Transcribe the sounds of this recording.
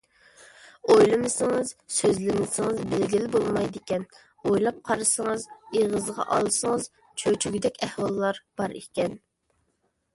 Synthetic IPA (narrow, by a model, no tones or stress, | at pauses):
ojlˠɨmɨsɨŋɨzsøzlɪnɪsɪŋɨzbɪlɡʲilɪbolˠmɑjd̪ɪkʲɛn | ojlˠɑp̚qʰɑɾɨsəŋɨzeʁəzʁɑ̰ʔɑ̰lˠsəŋəz | t͡ʃʰøt͡ʃʰyɡʲid̪ɛkʲɛhwɑlˠːɑɾb̥ɑɾekʲɛn